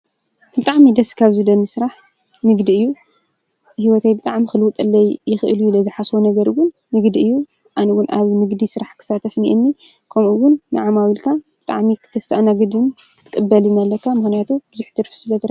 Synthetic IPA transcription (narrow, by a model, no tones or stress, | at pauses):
b̥ɨt̪ʼaʕmid̪ɐskʰaβzɨd̪ɐnɨsɨɾaħ | mɨɡd̪iɨjːu | hiwɔt̪ʰajbɨt̪ʼaʕmixɨlɨwut̪ʼɨlːɐjjɪxɨʔɨljulɐzɨħasonɐɡɐɾwʊnːɨɡd̪iɨjːu | ʔanɐwʊnʔaβmɨɡd̪isɨɾaħkʰɨ̥sat̪ʰɐfnḭʔɨnːi | kʰɐmʔuwʊnːɨ̰ʕamawilkʰabɨt̪ʼa̰ʕmikʰɨt̪ʰɐst̪ʰaʔanaɡɨd̪ɨn | kʰɨ̥t̪ʰːɨ̥kʼɨbːɐlɨnɐlːɐkʰːamɨxnijat̪ʰubɨzuħt̪ʰɨɾfsɨlɐt̪ɾ